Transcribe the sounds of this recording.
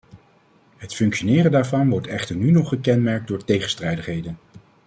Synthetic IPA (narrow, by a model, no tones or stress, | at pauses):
ɦətfɵŋkʃonɪːrəndaːɹvɑnʋɔɹtɛχtəɹnynɔχəkɛnmɛɹk̚dʊːɹtejχənstrɛjdəχɦejdən